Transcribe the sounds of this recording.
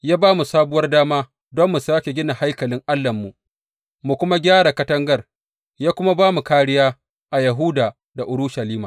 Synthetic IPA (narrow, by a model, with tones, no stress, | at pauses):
jaː˦baː˦mu˨saː˦bʊ˦wɐ˦rdaː˦maː˦ | dɔ˦mːu˨saː˦kʲe˨ɡʲɪ˦na˨ha˦jkɐ˨lɪ˦ŋʔa˦lːɐ˨mːu˨ | mu˨kʷʊ˦ma˦ɡʲaː˦ɽa˨kɐ˦tɐ˦ŋɡɐ˦r | jaː˦kʷʊ˦ma˦baː˦mu˨kaː˦ɽɪ˦jaː˦ | ʔa˨jɐ˨ɦu˦daː˨ | da˨ʔʊ˨ɾʊ˦ʃa˨liː˦maː˨